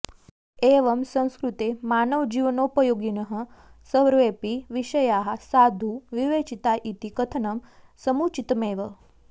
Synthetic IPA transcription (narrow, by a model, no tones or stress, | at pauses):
eːʋəmsɐ̃w̃skɾut̪emaːnəʋd͡ʒiʋənopəjoːɡinəɦə | səʋɾʋeːpiʋiʃəjaːɦasaːd̪ʱuʋiʋeːt͡ʃit̪aʔit̪ikət̪ʰənɐmsəmut͡ʃit̪meːʋə